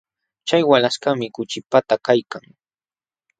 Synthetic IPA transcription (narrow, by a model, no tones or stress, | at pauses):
t͡ʃajwalaskamɪkʊt͡ʃɪpat̪akajkaŋ